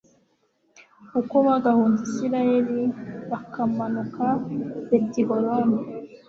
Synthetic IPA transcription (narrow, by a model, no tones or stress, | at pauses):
ukoβaɡahuːndisiɾajeɾiβakamanukabetiɡoɾona